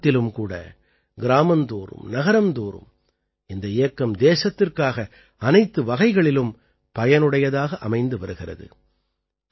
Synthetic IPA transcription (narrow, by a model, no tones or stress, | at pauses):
t̪ːɪlɯmkuːɽɐ̰ | ɡɪɾaːmɐnd̪uːɾɯ̰mnɐɣɐɾɐmd̪uːɾɯ̰m | ɪnd̪ɐɪjɐkːɐmd̪eːsɐt̪ːɪrkaːɣɐ | ɐnɐɪt̪ːɯʋɐɣɐɪɣɐɭɪlɯm | pɐjɐnɯɽɐjɐðaːɣɐʔɐmɐɪnd̪ɯʋɐɾɯɣɪrɐ̰ðɯ̰